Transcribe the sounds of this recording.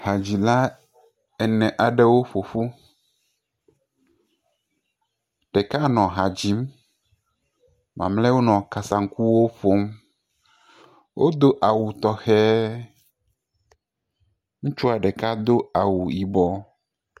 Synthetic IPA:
ha˨d͡ʑi˨la˦ | ɛ˨nɛ̃˨ʔa˨ɖɛ˦wo˦ɸo˨fu˦ | ɖ̥ɛ˨ka˦nɔ̃˨ɦa˨d͡ʑi˦m | mã̰˨mlɛ˦wo˦nɔ̃˨ka˨sa˨ŋ̩˦ku˦wo˦ɸo˦m | wʔo˦d̪o˦ʔa˨wu˨t̪ɔ˨xɛ˦ | ŋũ˦t͡ʃu˦a˨ɖɛ˨ka˦d̪o˦a˨wu˨ji˨bɔ˨

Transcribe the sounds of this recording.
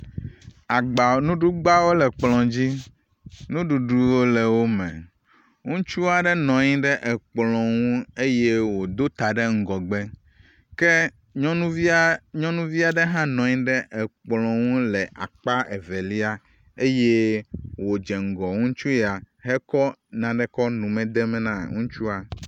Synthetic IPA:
a˨ɡ͡ba˨nũ˦ɖu˦ɡ͡ba˦wo˦lɛ˨k͡plɔ̃˨d͡ʑi˦ | nũ˦ɖu˨ɖu˦wo˦lɛ˨wo˦mɛ̰̃˨ | ŋũ˦t͡ʃu˦a˨ɖɛ˦nɔ̃˨ɲĩ˦ɖɛ˦ʔɛ˨k͡plɔ̃˨ŋũ˦e˦je˦wo˨d̪o˦t̪a˨ɖe˦ŋ̩˨ɡɔ˨ɡ͡be˦ | ke˦ | ɔ̃˦nũ˦vi˦ɲɔ̃˦nũ˦vi˦a˨ɖe˦ɦã˦nɔ̃˨ɲĩ˦ɖɛ˦ʔɛ˨k͡plɔ̃˨ŋũ˦lɛ˨ʔa˨k͡pa˦ʔɛ˨ve˨li˦a˦ | e˦je˦wo˨d͡ʒɛ˨ŋ̩˨ɡɔ˨ŋũ˦t͡ʃu˦ɛ˨a˨ | ɦɛ˦kɔ˦nã˨ɖɛ˦kɔ˦nũ˨mɛ̃˨d̪ɛ˦mɛ̃˦nã˦˨ŋũ˦t͡ʃu˦a˨

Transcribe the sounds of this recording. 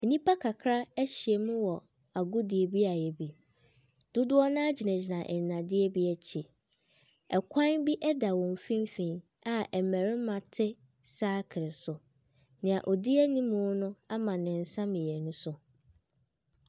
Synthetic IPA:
ɛ˨nĩ˦pʰa˦kʰa˨kʰɾa˦æ˦ɕi˨ɛ˨mʊ̃˦wɔ˨ | a˨ɡʊ˦di˨e˨bi˦a˨jɛ˨bi˨ | d̥ʊ˦dʊ˦ɔ˦nã˦a˦d͡ʑi˨nɛ̃˨d͡ʑi˨nã˨ʔɛ̰˨n˨nã˨dɪ˦ɛ˦bi˦ɛ˨t͡ɕʰi˨ | ɛ˨kʷʰã˦nbi˦ʔɛ˦da˨wɔ̃˨m˨fĩ˦m˦fĩ˨n | a˨ʔɛ˨mæ̃˨ɾɪ˦mã˨tʰɪ˦ | saː˦kʰɪ˨ɾɪ˨sʊ˨ | nɪ̃˨a˨ʔɔ˨di˦ɛ˦nĩ˦mʊ̃˦nʊ̃˦a˦mã˨nɪ̃˨n̩˨sã˦mɪ̃˨jɛ˨nʊ̃˦sʊ˦

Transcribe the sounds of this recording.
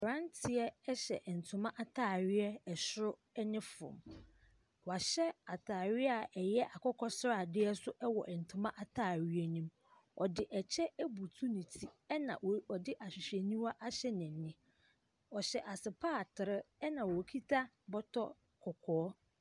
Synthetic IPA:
ɾã˦n˦tʰɪ˨ɛ˦ɛ˦ɕɛ̰˨ʔn̩˨tʰʊ˨mã˦ʔa˦tʰaː˦˨ɥɪ˦ɛ˦ɛ˨ɕɾʊ˦ | ɛ˦nɪ̃˦fʊ̰̃˨m | wɔ˨a˨ɕɛ˦a˨tʰaː˨ɥɪ˦a˨ʔɛ˨jɛ˦ʔa˨kʰɔ˦kʰɔ˦sɾa˨dɪ˦ɛ˦sʊ˦ʔɛ˦wɔ̰˨ʔɛ˨n̩˨tʰʊ̃˨mã˦ʔa˨tʰaː˦˨ɥi˦ɛ˦nĩ˦m | ɔ˨dɪ˨ʔɛ˨t͡ɕʰɛ˦æ˦bu˨tʰu˦nĩ˨tʰi˦ɛ˦nã̰˨ɔ˨dɪ˦ʔa˨ɕᶣɪ˨ɕᶣɛ˨nĩ˦ma˦ʔa˦ɕɛ˦nɪ̃˨nɪ̃˦ | ɔ˨ɕɛ˨ʔa˨sɪ˨pʰaː˦˨tʰɪ˨ɾɪ˦ɛ˦nã˨wɔ˨kʰi˦tʰa˦ | bɔ˦tʰɔ˦ | kʰɔ˨kʰɔː˨˦

